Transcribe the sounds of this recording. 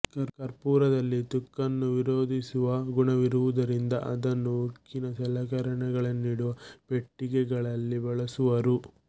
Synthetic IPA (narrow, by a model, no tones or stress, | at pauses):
kɐɾkɐɾpuːɾɐd̪ɐlːit̪ukːɐnːuʋiɾoːd̪ʱisuʋɐɡuɳɐʋiɾuʋud̪ɐɾind̪ɐʔɐd̪ɐnːuukːinɐsɛlɐɡɐɾɐɳɛɡɐɭɐnːiːɽuʋɐpe̞ʈːiɡɛɡɐɭɐlːibɐɭɐsuʋɐɾu